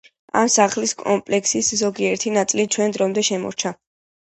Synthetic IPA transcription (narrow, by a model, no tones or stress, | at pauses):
a̰msaχliskʼɔmpʼlɛkʰsiszɔɡiɛɾt̪ʰinat̪sʼlit͡ʃʰwɛnd̪ɾɔmd̪ɛʃɛmɔ̰ɾt͡ʃʰa